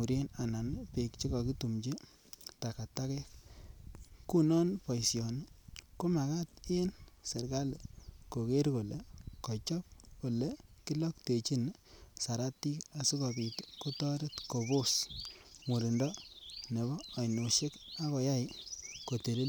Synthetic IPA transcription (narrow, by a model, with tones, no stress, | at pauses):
u˨ɾje˦na˨na˨nɪ˦pe˨kt͡ʃi˦kɔ˨ki˦tu˨mt͡ʃi˦ | ta˨ka˨ta˦kɛ˦k̚ | ku˦nɔ˦npɔ˨jsjɔ˨n˦ko˦ma˨ka˦te˦nse˨ɾka˦le˨ko˨ke˦ɾko˨le˨kɔ˨t͡ʃɔ˦p̚ko˨le˨ki˦lɔ˦kte˨t͡ʃi˦n | sa˨ɾa˦ti˦ka˨si˦kɔ˨bi˨tko˦tɔ˦ɾe˦tko˨bo˦s | mu˨ɾi˨ndɔ˦ne˨bɔː˦˨jno˨ʃe˦ka˦kɔ˨ja˦ɪ˦ko˨te˨li˦l